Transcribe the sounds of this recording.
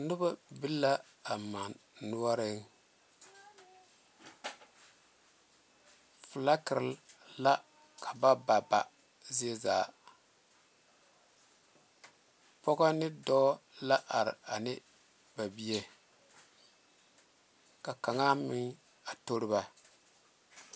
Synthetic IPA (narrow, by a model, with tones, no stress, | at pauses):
nʊ˦ba˦bɨ˦lːa˦a˨ma˨nnu˦a˦ɾɪ˦ŋ | fla˦kɪ˨ɾla˦ | kʰa˨ba˦ba˨ba̰˨ | zi˦e˦za̰ː˨ | pɔ˦ɣa˦nɪ˦dɔ˦la˦ʔa˨ɾɪ̰˨a˨nɪ˦ | ba˨bi˦e˦ | ka˨ka˨ŋa˦mɪ˦ŋ | a˨to˦ɾɨ˦ba˦